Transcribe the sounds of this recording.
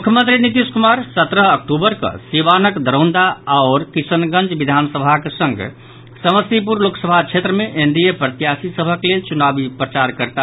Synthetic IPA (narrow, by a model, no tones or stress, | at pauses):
mukʰjəmənt̪ɾinit̪iskumaɾsət̪ɾəɦək̚ʈubəɾkə̰siʋanəkd̪ʱəɾə̃wnd̪aaoɾkisənɡə̃nd͡ʒbid̪ʱansəbʱakesəŋɡ̰ | səməsipuɾloksəbʱat͡ʃʰet̪ɾəmeʔend̪ijepɾət̪ijasisəbʱəklelt͡ʃunabipɾət͡ʃaɾkəɾt̪a